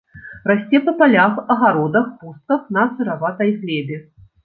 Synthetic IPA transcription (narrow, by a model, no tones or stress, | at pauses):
rasʲt͡sʲɛpɐpalʲaxɐɣaɾɔd̪ɐxpust̪̚kɐxnɐt̪sɨɾavat̪ɐjɣlʲɛbʲɛ